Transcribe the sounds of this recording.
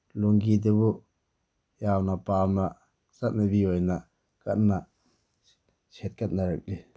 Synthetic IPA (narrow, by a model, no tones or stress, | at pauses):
luŋɡidebu | jawnapawna | sat̚nabiɔjna | kat̚na | set̚kat̪̚naɾɯk̚li